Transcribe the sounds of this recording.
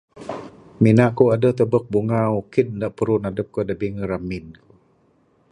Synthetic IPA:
minaʔkuadəht̪əbək̚buŋaukɪn̚ndaʔpəɾʊnadəp̚kədabiŋəɾamɪnku

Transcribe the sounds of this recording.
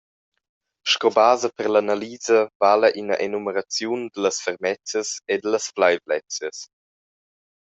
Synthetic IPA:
ʃkɔbaːzəpəʁlanaliːzəvaləʔinəʔenuməɾat͡sjund̪ələsfəɾmɛt͡səsed̪ələsflajvlɛt͡sjəs

